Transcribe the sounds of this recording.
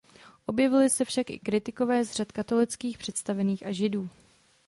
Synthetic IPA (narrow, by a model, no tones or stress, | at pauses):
ʔo̞bjɛvɪlɪsɛfʃakʔɪ̰kɾɪt̪ɪko̞vɛːzr̝at̪kat̪o̞lɪt͡skiːxpr̝̥ɛt̪st̪avɛniːxaʒɪduː